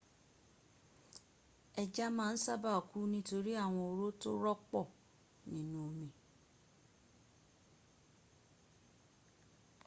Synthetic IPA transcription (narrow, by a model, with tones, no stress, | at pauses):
ɛ˨d͡ʒa˦mãː˨˦n̩˦sa˦ba˦˨ku˦nĩ˦to˧ɾi˦a˦˨w̃ɔ̃˧o˨ɾo˦to˦ɾɔ˦k͡pɔ˦˨ | nĩ˨nũ˦o˨mĩ˨